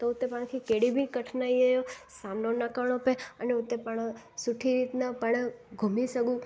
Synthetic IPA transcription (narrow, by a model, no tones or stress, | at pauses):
t̪out̪ːepaɳ̃kʰikeɽibʱikəʈʰnaiəjosamnonakəɳopeəneut̪ːepəɳ̃ | suʈʰiɾit̪napəɳɡʱumisəɡũ